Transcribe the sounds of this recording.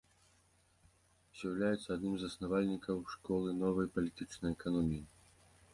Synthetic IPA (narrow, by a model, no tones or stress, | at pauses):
zʲjɐwlʲajɛt̪sːɐːd̪nɨmzɐsnavalʲnʲikɐwʂkɔlˠɨnɔvɐjpɐlʲit̪ɨt͡ʂnɐjɛkanɔmʲiji